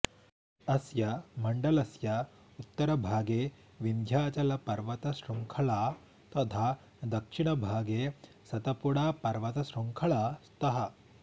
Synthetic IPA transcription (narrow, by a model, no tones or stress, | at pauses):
ɐsjɐmɐɳɖɐlɐsjɐ | ut̪ːɐɾɐbʱaːɡeː | ʋind̪ʱjaːt͡ʃɐlɐpɐɾʋɐt̪ɐsɾuŋkʰɐɭaː | t̪ɐt̪ʰaː | d̪ɐkʂiɳɐbʱaːɡeː | sɐt̪ɐpuɽaːpɐɾʋɐt̪ɐsɾuŋkʰɐɭaːst̪ɐɦɐ